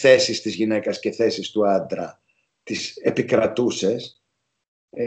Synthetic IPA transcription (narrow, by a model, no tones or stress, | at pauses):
θe̞sist̪izʝine̞kɐsceθe̞sist̪uɐnd̪ɾɐ | t̪isepikɾɐt̪use̞s